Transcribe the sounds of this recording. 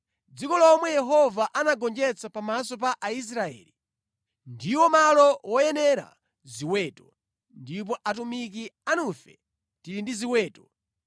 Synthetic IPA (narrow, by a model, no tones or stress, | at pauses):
d͡zikɔlɔmwɛjɛɦɔvaʔanaɡɔnd͡ʒɛt͡sʰapamasɔp̬aʔais̬ɾaɛ̰ːli | ndiwɔmalɔwɔjɛnɛɾa̰ | ziwɛːtɔ | ndip̬ɔʔatumik̬ianufɛ | tiɾindiziwɛːtɔ̥